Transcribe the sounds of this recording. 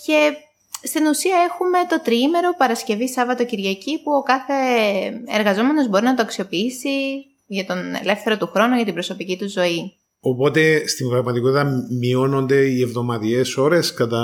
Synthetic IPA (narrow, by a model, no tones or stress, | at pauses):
ce̞ | st̪inusiɐe̞xume̞t̪o̞t̪ɾiime̞ɾo̞pɐɾɐsce̞visɐvɐt̪o̞ciɾʝɐcipuo̞kɐθe̞ | eɾɣɐzo̞me̞no̞zbo̞ɾinɐt̪oɐksio̞piisi | ʝɐt̪o̞ne̞̰le̞fθe̞ɾo̞t̪uxɾo̞nuʝɐt̪ibɾo̞so̞picit̪uzːo̞i | o̞po̞t̪e̞st̪iŋɡɾɐɣmɐt̪iko̞t̪it̪ɐmio̞no̞nd̪e̞ievðo̞mɐt̪ie̞so̞ɾe̞skɐt̪ɐ